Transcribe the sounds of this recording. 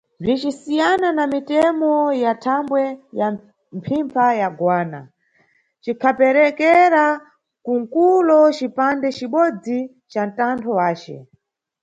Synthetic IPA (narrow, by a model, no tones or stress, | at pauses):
b͡ʐit͡ʃisijananamitɛmɔjatʰambwɛja | m̩pʰimpʰajaɡwaːna̰ | t͡ʃikʰapɛɾɛkɛɾa | kuŋkulɔt͡ʃipandɛt͡ʃiɓɔd͡zi | t͡ʃan̩tantʰɔwaːt͡ʃɛ̰